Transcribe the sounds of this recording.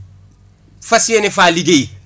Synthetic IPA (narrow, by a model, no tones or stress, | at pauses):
fɐsienifaːliɡej